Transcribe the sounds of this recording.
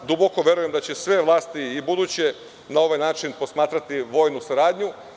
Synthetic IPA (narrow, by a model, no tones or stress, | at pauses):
d̪uboko̞ʋje̞ɾuje̞md̪at͡ɕe̞sʋeʋlˠaːst̪iibud̪uːt͡ɕe̞ | nao̞ʋajnaːt͡ʃinpo̞smaːt̪ɾat̪iʋo̞ːjnusaɾaːd̪ʲɲu